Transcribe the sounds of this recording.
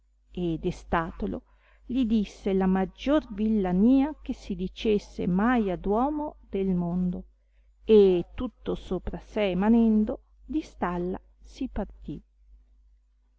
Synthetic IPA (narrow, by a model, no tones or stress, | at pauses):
ed̪est̪aːt̪olo̰ | lid̪isːelamad͡ʒːorvilːaniːak̟esid̪it͡ʃesːḛmajad̪wɔːmod̪̥elmond̪o | et̪ːut̪ːosoːpɾaseːmanɛnd̪o | d̪ist̪alːa̰ | sipart̪i